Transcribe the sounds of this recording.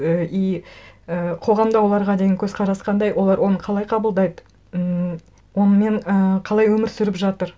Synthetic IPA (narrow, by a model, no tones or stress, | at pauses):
əijəqʰo̞ʁɑmd̪ɑwo̞lˠɑɾʁɑd̪e̞jɪŋkʰʲɵzqʰɑɾɑsqɑnd̪ɑjwʔo̞lˠɑɾwo̞nəqʰɑlˠɑjqʰɑbəlˠd̪ɑjd̪ə | wo̞nəme̞ɴəqʰɑlˠɑjwɵmɪɾsʏɾɪpʒɑt̪əɾ